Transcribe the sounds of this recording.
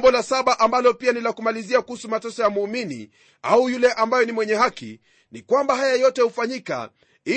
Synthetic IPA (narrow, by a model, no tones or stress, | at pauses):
mbɔlasaɓaʔambalɔpianilakumaliziakuhusumatɔsɔjamuːminḭ | aujulɛʔambajɔnimwɛɲɛhakḭ | nikwambaɦajajɔtɛhufaɲika̰ | i